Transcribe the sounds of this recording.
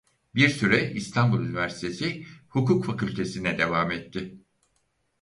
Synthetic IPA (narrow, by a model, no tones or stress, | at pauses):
biɾsyɾɛist̪ʰanbulˠynivæɾsi̥t̪ʰesɪhukʰuːkfakʰylʲt̪ʰe̞sinɛd̪e̞vaːmɛt̪ʰːɪ